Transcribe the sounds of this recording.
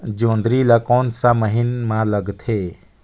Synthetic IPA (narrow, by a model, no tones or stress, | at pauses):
d͡ʒoːnd̪ɾilakɔːnsaməɦɪnmãləɡt̪ʰeː